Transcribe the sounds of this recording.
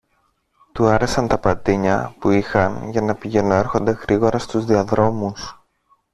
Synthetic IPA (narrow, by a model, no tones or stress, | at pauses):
t̪uɐɾe̞sɐnt̪ɐpɐt̪iɲɐpuixɐnʝɐnɐpiʝe̞noe̞ɾxo̞nd̪e̞ɣɾiɣo̞ɾɐst̪uzðiɐðɾo̞mus